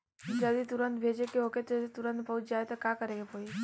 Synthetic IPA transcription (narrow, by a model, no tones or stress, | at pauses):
d͡ʒəd̪it̪uɾənt̪bʱed͡ʒekeɦoket̪eset̪uɾənt̪̚bəɦut͡ʃd͡ʒaːet̪akakəɾeɡepoi